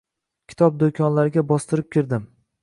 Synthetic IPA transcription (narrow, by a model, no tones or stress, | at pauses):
kʲʰɪ̥t̪ʰɒp̚d̪okʲʰɒnlaɾɪɡʲabɒst̪ɪɾɪp̚kʲʰɪɾd̪ɪm